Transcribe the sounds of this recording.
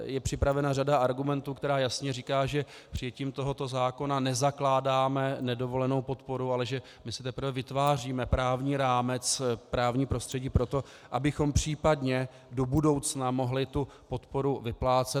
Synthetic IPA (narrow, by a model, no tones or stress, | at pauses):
jɛpr̥ɪpɾavɛnaradaʔaɾɡumɛnt̪uːkt̪ɛɾaːjasɲɛriːkaːʒɛ | pr̥ɪjɛciːmt̪o̞ɦo̞t̪o̞zaːko̞nanɛzaklaːdaːmɛnɛdo̞vo̞lɛno̞wpo̞t̪po̞ɾualɛʒɛ | mɪsɪt̪ɛpɾ̩r̩vɛvɪt̪vaːr̝iːmɛpɾaːvɲiːɾaːmɛt͡spɾaːvɲiːpɾo̞st̪r̥ɛɟiːpɾo̞t̪o̞ | ʔabɪxo̞mpr̝̥iːpadɲɛ | do̞budo̞wt͡snamo̞ɦlɪt̪u | po̞t̪po̞ɾuvɪplaːt͡sɛ